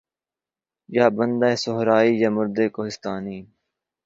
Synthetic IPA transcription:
jaːbənd̪aːesoɦɾaːiːjaːmʊɾd̪eːkoːɦɪst̪aːniː

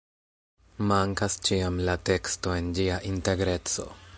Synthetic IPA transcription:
maŋkast͡ʃiamlate̞ksto̞e̞nd͡ʒiaʔinte̞ɡɾe̞t͡so̞̰

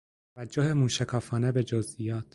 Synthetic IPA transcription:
ævæd͡ʒːohemuːʃekʰɒːfɒːne̞be̞d͡ʒozʔijɒːt̪ʰ

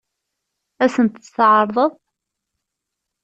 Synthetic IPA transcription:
æsənt̪əst̪ʕɑɾˤðˤəðˤ

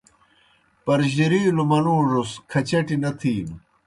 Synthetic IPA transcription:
pɐɾʑiɾiːlumɐnuːʐuskʰɐt͡ɕɐʈinɐt̪ʰiːm

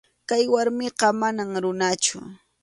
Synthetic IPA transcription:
kajwaɾmɪqɑmanaŋɾʊnat͡ʃʊ̰

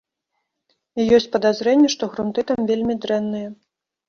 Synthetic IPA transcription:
ijɔsʲt͡sʲpɐd̪azɾɛnʲːɛʂt̪ɔɣɾunt̪ɨt̪amvʲelʲmʲid̪ɾɛnːɨjɛ

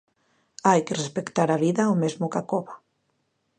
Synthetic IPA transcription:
ajkerespekt̪aɾaβiðaomezmukakɔβa

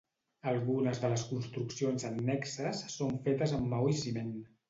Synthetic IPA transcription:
əlˠɣunəzðələskunst̪ɾuksionzənːɛksəsːoɱfet̪əzəmːawisimen

